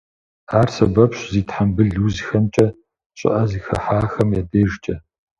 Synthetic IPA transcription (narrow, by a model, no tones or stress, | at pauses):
aːrsɐbɐpɕziːtħambɨɮuːzxɐmt͡ʃʼɐ | ɕʼɪ̰ʔɐziːxɐ̰ħaːxɐmjaːdeːʒt͡ʃʼɐ